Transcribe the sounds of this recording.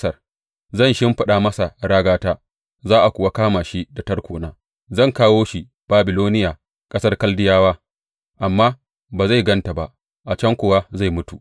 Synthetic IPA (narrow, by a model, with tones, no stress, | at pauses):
sɐ˦r | zɐ˦˨nʃɪ˦mɸɐ˦ɗaː˨mɐ˦sa˨ɽaː˦ɡaː˦taː˦ | zaː˦ʔa˨kʷʊ˨wa˦kaː˦maː˨ʃi˦da˨tɐ˦rkʷoː˨naː˨˦ | zɐ˦˨ŋkaː˦woː˦ʃi˨ | b̥aː˨bɪ˨loː˦nɪ˦jaː˨ | kʼɐ˦sɐ˦rkɐ˦ldɪ˦jaː˦waː˦ | ʔa˨mːaː˦ | baː˨za˦˨ɡɐ˦nta˨ba˨ʔ | ʔa˨t͡ʃɐ˦ŋkʷʊ˨wa˦za˦˨jmʊ˦tu˨